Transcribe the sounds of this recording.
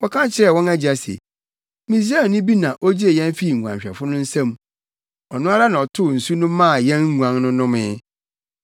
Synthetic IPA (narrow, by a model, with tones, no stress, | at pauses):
wɔ˦kʰã˦t͡ɕʰɪ˨ɾɛ˦˨wɔ̃˦næ˦d͡ʑi˨a˨sḛ˨ | mĩ˨si˦a˦˨nʊ̃˦bi˦nã˨ʔo˦d͡ʑi˦e˨jɛ̃˦n˦fi˦˨ŋ̩˨ɡʷã̰˨ɕᶣɛ̰˨fʊ˦nʊ̃˦n̩˦sɛ̃˦m˦ | ɔ˨nʊ̃˦a˦ɾa˦nã˨ɔ˨tʰʊ˦˨n̩˨su˦nʊ̃ː˦ã˦˨jɛ̃˦n˦ŋu˨ã˨ŋnʊ̃˦nʊ̃˦mɪ̃˦